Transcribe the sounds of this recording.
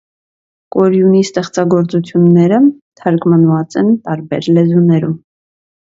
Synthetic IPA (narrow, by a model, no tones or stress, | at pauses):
kɔɾjunist̪ɛχt͡sɑɡɔɾt͡sut͡sʰjunːɛɾət̪ʰəɾkmənvɑt͡sɛnt̪ɑɾbɛɾlɛzunɛɾum